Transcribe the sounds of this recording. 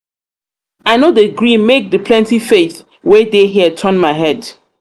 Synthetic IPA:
aɪnodeɡɹĩmek̚ðəpʰlɛ̃ntifeθ | wɛdeɦiətʰɜ̃nmaɪɦɛd

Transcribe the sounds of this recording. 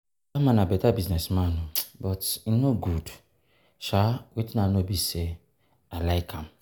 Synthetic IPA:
amãnabɛtabiznɛsmanʊbɔtinoɡud | ʃawetinanobise | alaɪkʰam̩

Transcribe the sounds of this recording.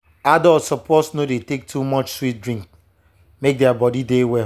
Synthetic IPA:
adɔlsɔposnodetek̚tʰumɔt͡ʃswit̚dɹĩŋk̚ | mek̚deabɔdidewɛ

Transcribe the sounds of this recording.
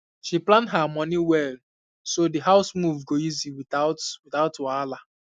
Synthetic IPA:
ʃiplãndɦamɔ̃niwɛl | sodiɦaʊsmuvɡoiziwiaʊwɪθaʊtɔala

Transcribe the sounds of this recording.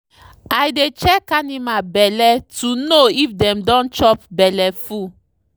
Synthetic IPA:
ajdet͡ʃɛkːanimabɛlɛtunoifdɛ̃mdɔ̃nt͡ʃɔpbɛlɛfu

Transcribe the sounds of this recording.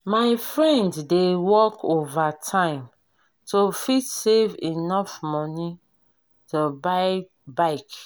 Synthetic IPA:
maɪfɹɛ̃nddewɔkovatʰãɪ̃m | tofitsevinɔfmɔni | toba | baɪk

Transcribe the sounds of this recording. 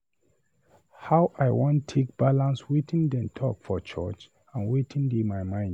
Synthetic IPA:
hawʔajwɔ̃ntʰek̚b̥alãnswetĩndɛ̃mtʰɔ̰kfɔt͡ʃʰɔ̰t͡ʃ | ãnwetʰĩndemajmãɪ̃n

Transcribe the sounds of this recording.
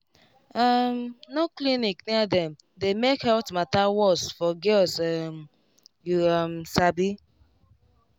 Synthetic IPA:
amnoklinikniadɛ̃m | demekhɛtmatawɔsfɔɡɛlsm | juamsabi

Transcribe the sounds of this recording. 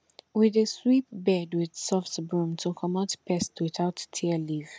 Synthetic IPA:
wɪðeswip̚bɛdwɪð̥sɔfsbɹũmtʰukʰɔmatpɛstwɪθaʊtːʰiəliv̥

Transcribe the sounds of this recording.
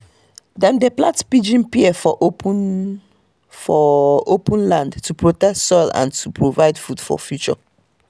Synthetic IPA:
dɛ̃ndeplatpid͡ʒĩnpiɛfɔʔop | fɔopũnlãndtupɹotɛktsɔlã̰ntʰupʰɹovaɪdfud̥fɔ̰fjut͡ʃɔ̰

